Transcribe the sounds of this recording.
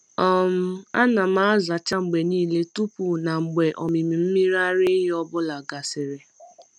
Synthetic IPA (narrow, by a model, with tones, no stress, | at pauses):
ɔ˦˨m̩˦a˦na˨ma˦a˦za˨t͡ʃa˦ŋ͡m̩˨ɡ͡be˨niː˦˨le˦tu˦pu˨na˨ŋ͡m̩˨ɡ͡be˨ʔɔ˨mi˨mi˨m̩˦mi˦ɾa˦ɾɪ˦ɦɔ˦bʊ˦la˨ɡa˨sɪ˨ɾɪ˨